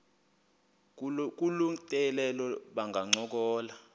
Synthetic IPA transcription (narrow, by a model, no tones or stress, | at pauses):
k̬ʼuluŋtʼɛlɛlɔɓaŋɡʱaŋ͡ǀɔk̬ɔːla